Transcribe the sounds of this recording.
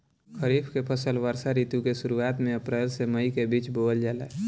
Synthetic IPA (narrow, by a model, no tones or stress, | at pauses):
kʰəɾiːbʰʱkepʰəsəlʋəɾsaɾiːt̪jukesʊɾuaːt̪mẽəpɾeːlseməikebiːt͡ʃboːld͡ʒaːlɛː